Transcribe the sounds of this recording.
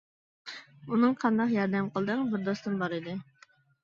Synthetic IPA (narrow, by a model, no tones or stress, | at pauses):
unɨŋqʰɑnd̪ɑqjɑɾd̪ɛmqʰəlˠd̪ɨŋbɪɾd̪ost̪ɨnbɑɾɨd̪ɨ